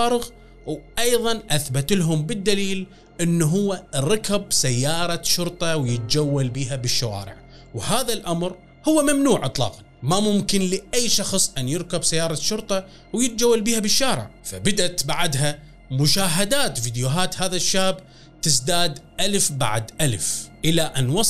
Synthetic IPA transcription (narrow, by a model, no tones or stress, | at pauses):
aːɾɪɣ | wʔɑjðˤɑnʔaθbat̪ɪlɦʊmbɪd̪ːaliːl | ʔɪnːɦʊwːaɾɑkabsajːɑːɾˤɑʃʊɾt̪ˤɑwjɪt̪̚d͡ʒawːalbiːɦabɪʃːawa̰ːɾɪ̰ʕ | whaːðalʔamɾ | hʊwːamamnuːʕʔɨt̪ˤlɑ̰ːqa | mamʊmkɪnlɪʔajːʃɑxsˤʔanjɪɾkabsajːɑːɾˤɑʃʊɾt̪ˤɑ | wjɪt̪̚d͡ʒawːalbiːhabɪʃːaːɾɪ̰ʕfabɪd̪at̪baʕd̪ɦa | mʊʃaːɦad̪aːt̪fiːd̪juɦaːt̪haːðaʃːaːb | t̪ɪsd̪aːd̪ʔalfba̰ʕd̪ʔalfʔɪlaʔanwɑsˤ